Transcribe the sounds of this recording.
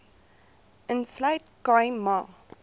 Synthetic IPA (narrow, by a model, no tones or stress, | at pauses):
ə̃nslaɪtkãɪmɑ